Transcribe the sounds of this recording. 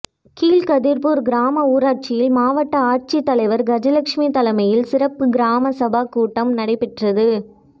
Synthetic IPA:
kiːlkɐðiɾpuɾɡɪɾaːmɐuːɾaːɾ̚t͡ʃɪjɪlmaːʋɐʈːɐaːʈ̚t͡ʃit̪ːɐlɐɪʋɐɾɡɐd͡ʒɐlɐkʂmit̪ɐlɐmɐjɪlsɪɾɐpːɯɡɪɾaːmɐsɐbaːkuːʈːɐmnɐɽɐɪpːɪʈrɐðɯ

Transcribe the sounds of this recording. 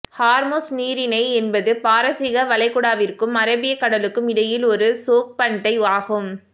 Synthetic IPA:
haːɾmoːsniːɾɪnɐɪɛnbɐðɯpaːɾɐsɪɣɐʋɐlɐɪkːʊɽaːʋɪrkɯmɐɾɐbɪjɐkːɐɽɐlɯkːɯmɪɽɐjɪlɔɾɯsoːk̚pɐɳɖɐɪaːɣɯm

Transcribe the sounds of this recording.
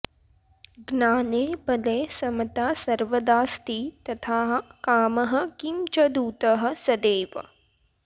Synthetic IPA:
ɡnaːneːbɐleːsɐmɐt̪aːsɐɾʋɐd̪aːst̪it̪ɐt̪ʰaːɦkaːmɐɦɐ̆kimt͡ʃɐd̪uːt̪ɐɦɐ̆sɐd̪eːʋɐ̰

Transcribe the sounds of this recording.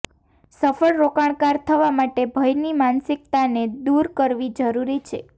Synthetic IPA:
səfəɭɾokaɳ̃kaɾt̪ʰəʋamaʈebʱəjnimansɪk̚t̪aned̪uɾkəɾʋid͡ʒəɾuɾit͡ʃʰḛ

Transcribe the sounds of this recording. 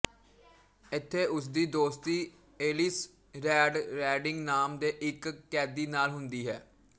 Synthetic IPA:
ɪt̪ʰːeːʔʊsd̪iːd̪oːst̪iː | eːlɪs | ɾɛːɖɾɛːɖɪŋɡnaːmd̪eːʔɪkːɛːd̪iːnaːlɦʊnd̪iːɦɛː

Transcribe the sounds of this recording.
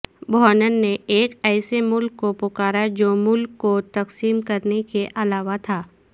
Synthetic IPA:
bʱɔːnənːeeːkɛːsemʊlkːopʊkaːɾad͡ʒoːmʊlkːot̪ɐqsiːmkɐɾnekeʔɐlaːʋat̪ʰaː

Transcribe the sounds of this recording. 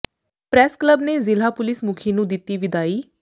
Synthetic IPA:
pɾɛːskləbneːzɪlaːpʊlɪsmʊkʰiːnũːd̪ɪt̪ːiːʋɪd̪aːiː

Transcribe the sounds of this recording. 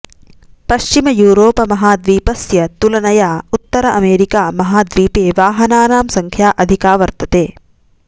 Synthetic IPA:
pɐʃt͡ʃimɐjuːɾoːpɐmɐɦaːd̪ʋiːpɐsjɐt̪ulɐnɐjaːut̪ːɐɾɐʔɐmeːɾikaːmɐɦaːd̪ʋiːpeːʋaːɦɐnaːnaːmsɐŋkʰjaːʔɐd̪ʱikaːʋɐɾt̪ɐt̪eː

